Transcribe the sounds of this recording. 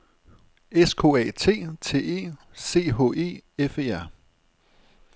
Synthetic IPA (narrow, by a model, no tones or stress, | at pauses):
eskʰo̝̰ːɛ̰ːt͡sʰe̝̰ːt͡sʰe̝̰ːe̝̰ː | se̝̰ːɦɔ̝̰ːe̝̰ːefe̝ːæɐ̰